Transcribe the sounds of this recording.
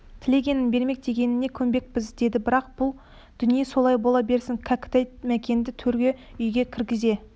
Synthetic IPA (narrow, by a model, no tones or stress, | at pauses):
t̪ʰɪlʲe̞ɡʲe̞nɪnbe̞ɾme̞k̚d̪̥e̞kʲe̞nɪne̞kʲʰɵmbe̞k̚pɪzd̪e̞d̪ɪbɪɾɑq̚b̥ʊlˠ | d̪̥ʏnijeso̞lˠɑjbo̞lˠɑbe̞ɾsɪŋkʰakʲɪ̥t̪æjmækʲe̞nd̪ɪt̪ʰɵɾɡʲe̞ʏjɡʲe̞kʲʰɪɾɡʲɪze̞